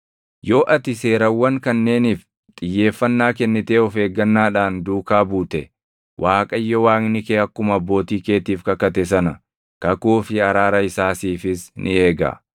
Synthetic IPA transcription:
jo̞ːʔɐt̪ɪse̞ːɾɐwːɐŋkɐnːe̞ːniːf | t̪ʼɪjːe̞ːfːɐnːaːkɛnːɪt̪e̞ːɔfe̞ːɡːɐnːaːᶑaːnd̪uːkaːbuːt̪ɛ | wʔaːkʼɐjːɔwaːŋnɪkeːɐkːʊmɐɐbːo̞ːt̪iːke̞ːt̪iːfkɐkːɐt̪ɛsɐnɐ | kɐkuːfɪɐɾaːɾɐɪsaːsiːfɪsnʔɪe̞ːɡa̰

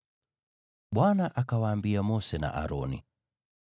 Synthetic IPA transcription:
ɓwanaʔakawaːmbiamɔsɛna̰ʔa̰ɾɔnḭ

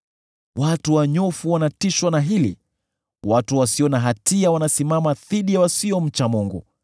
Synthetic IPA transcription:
watuwaɲɔfuwanatiʃwanaɦilḭ | watuwasiɔnaɦatiawanasimamaðiɗiawasiɔm̩t͡ʃamuŋɡṵ

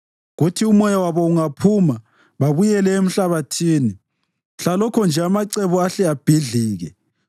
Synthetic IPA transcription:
ɣutʰiumɔjawaβɔuŋapʰuma | βaβujɛlɛem̩ɬaβatʰiːni | ɬalɔkʰɔnd͡ʒʱɛamaǀɛβuaɬɛab̥ʱiɮiːɣɛ

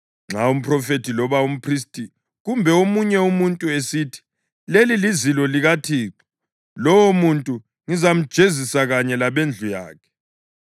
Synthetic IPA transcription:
ŋ͡ǁaum̩pʰrɔfetʰilɔβaum̩pʰris̬tʼi | ɣumbʱɛomuɲɛumuntʼuesitʰi̥ | lelilizilɔliɣatʰiːǁḁ | lɔwomuntʼu | ŋizam̩d̥ʒ̥ʱezisaɣaɲɛlaβend͡ɮʱuja̰ːkʰɛ̥

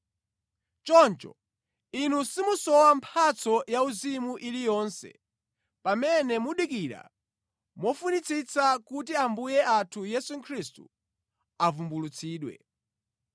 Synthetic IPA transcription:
t͡ʃɔnt͡ʃɔ̰ | inusimusɔwampʰat͡sʰɔjauzimuʔilijɔːnsɛ̰ | pamɛnɛmuɗikiɾa̰ | mɔfunit͡sʰit͡sakut̬iambujɛatʰujɛsukʰɾistu | avumbulut͡sʰiːɗwɛ̰

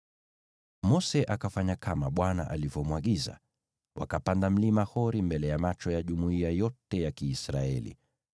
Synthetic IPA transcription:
mɔsɛʔakafaɲakʰamaɓwana̰ʔalivɔmwaɠiza̰ | wʔa̰kapandam̩limahɔɾimbɛlɛjamat͡ʃɔjaʄumuiajɔtɛjakiːsɾaɛ̰lḭ

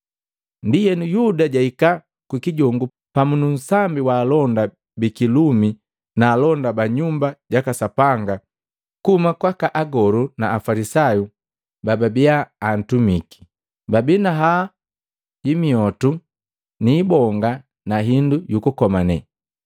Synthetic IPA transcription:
ndijɛnujudaɟaika | kwikiɟɔŋɡu | pamunun̩sambiwaːlɔnda | bikilumi | naːlɔndabaɲumbaɟakasapaŋɡa | kumakwakaʔaɡɔɾunaːfalisaju | bababiaːn̩tumiki̥ | babinaɦa | imiɔtu | niːbɔŋɡa | naɦindujukukɔmanɛ̰

